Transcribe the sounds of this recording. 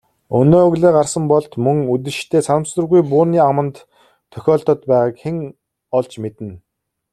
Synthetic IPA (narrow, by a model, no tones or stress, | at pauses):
ɵnoːɵɣɮeːɢarsə̆mpɔɮt̪mɵŋut̪̬ɘ̆ʃt̪ʰeːsʰanə̆msə̆rɣujpʊːniːamə̆nt̪ʰː | œ̥xʲɔːɮt̪ɞ̆t̪pæːʁaːkxeŋ | ɔɮt͡ɕmet̪ɘ̆n